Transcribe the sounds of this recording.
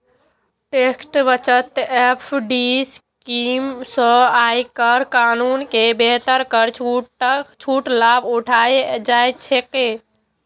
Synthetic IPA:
ʈeksʈbət͡ʃət̪epʰɖiskimsə̃ajkəɾkanunkebeɦt̪əɾkəɾt͡ʃʰut͡ʃʰuʈlabuʈʰajd͡ʒajt̪̚t͡ʃʰeke

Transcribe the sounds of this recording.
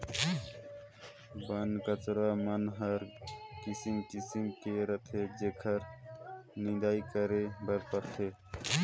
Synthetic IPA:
bənkət͡ʃɾamənɦəɾkisimkisimkeɾət̪ʰed͡ʒekʰəɾ | nind̪aikəɾebəɾpəɾt̪ʰe

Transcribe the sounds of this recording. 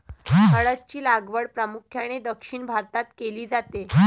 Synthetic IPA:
əɭətt͡ɕiːlaɡʋəɽpɾəmukʰjaɽ̃ed̪əkʂiːɳbʱaɾt̪at̪keliːd͡zat̪e

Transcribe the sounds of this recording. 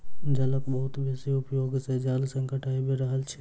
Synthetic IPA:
d͡ʒɐləkbəɦʊt̪besiʊpjoːɡsed͡ʒaːlsə̃ŋkəʈʰaːebeɾəɦəlt͡ʃʰɛ

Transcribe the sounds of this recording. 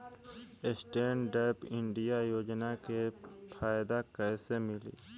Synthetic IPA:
esʈeːɳɖeːpɪɳɖijajoːd͡ʒnakepʰaːjd̪akəjsemɪlḭː

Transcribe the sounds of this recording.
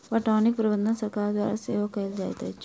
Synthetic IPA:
ʋɐʈaːnik̚pɾɐʋɐnd̪ɐnsɐɾkaːɾd̪ʋa̰ːɾɐseːʋɐkɐjld̪aːt̪a̰ːt͡ʃː

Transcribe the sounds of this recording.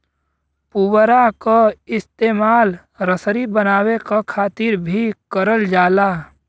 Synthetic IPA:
puwɾakaɪst̪eːmaːl | ɾəsɾibənaːwekakʰaːt̪ɪɾbʱikəɾəld͡ʒaːlaː

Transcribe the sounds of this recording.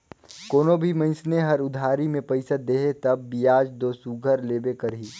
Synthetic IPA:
koːnobʱimɐ̃ɪ̃sneɦɐɾʊd̪ʱaːɾimẽpɐɪsəd̪eːɦet̪ɐbːijaːd͡ʒd̪oːsuɡʱəɾleːbekɐɾɦiː

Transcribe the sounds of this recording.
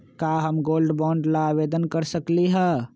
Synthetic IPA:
kaɦəmɡolɖbɔ̃ɳɖlaːbed̪ənkəɾsəkliɦə

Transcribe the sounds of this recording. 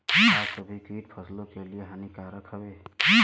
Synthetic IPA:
kiɦasəbʱikiʈ̚pʰəslokelijeɦanikaɾəkʰəbeki

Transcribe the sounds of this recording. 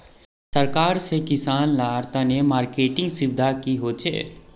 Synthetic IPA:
səɾkaːɾsekɪsaːnlaːɾt̪anemaːɾkeːʈɪ̃ŋɡsɪbd̪ʱakiɦoːt͡ʃʰḛː

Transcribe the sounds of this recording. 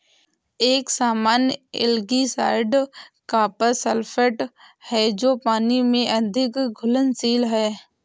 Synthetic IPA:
eːksaːmaːnjɪ̰lɡisaːɪɖkapəɾsəlpʰəʈhɛd͡ʒoːpaːnimẽʔɐd̪ʱɪkɡʱʊlənsiːlɦɛː

